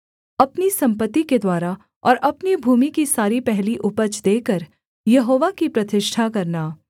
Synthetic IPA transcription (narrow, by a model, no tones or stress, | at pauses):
ɐpnisɐ̃mpət̪ːiked̪waːɾa | ɔ̰ːɾʔɐpnibʱuːmikisaːɾipɛɦliʔʊpət͡ʃd̪eːkəɾ | jɐɦoːʋakipɾɐt̪ɪʃʈʰakɐɾnaː